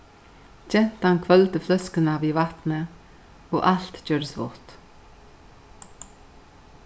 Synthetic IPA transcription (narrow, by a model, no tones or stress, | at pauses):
c͡çɛnt̪əhɑnkʰʋœlt̪əflœskənɑʋiːʋɑt̪nə | oːʔɑlt̪c͡çøːɾəsʋo̰t̪